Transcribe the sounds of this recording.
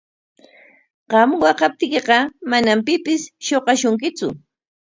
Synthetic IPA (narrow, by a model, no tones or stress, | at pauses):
ɢɑmwɑqɑp̚t̪ɪkeqɑmanampɪpɪsʃoqɑʃʊŋkɪt͡sʊ̰